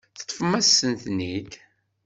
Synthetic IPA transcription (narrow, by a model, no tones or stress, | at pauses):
θə̥t̪ˤːfəmæsːənθnid̪